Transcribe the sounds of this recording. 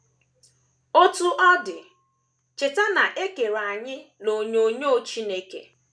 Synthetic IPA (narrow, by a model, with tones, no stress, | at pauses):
o˦tu˦ʔɔ˦dɪ̰˨ | t͡ʃɪ˨ta˦na˨ʔe˦ke˨ɾa˨ɲɪ˦lo˨ɲo˦ɲo˦˨t͡ʃi˦ne˦kḛ˨